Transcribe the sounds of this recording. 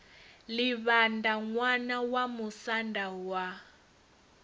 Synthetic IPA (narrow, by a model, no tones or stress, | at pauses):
liβandaŋwanawamusandawa